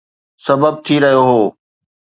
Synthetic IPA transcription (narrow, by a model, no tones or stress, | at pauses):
sɐbəb̚t̪ʰiɾɐɦijoɦoː